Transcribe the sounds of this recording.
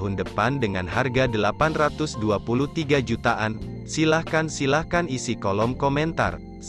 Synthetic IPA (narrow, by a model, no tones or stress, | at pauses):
ɦʊndəpandəŋanɦarɡadəlapanrat̪ʊsduapuluht̪iɡad͡ʒut̪aʔan | silahkansilahkanisikolɔmkomɛnt̪a̰r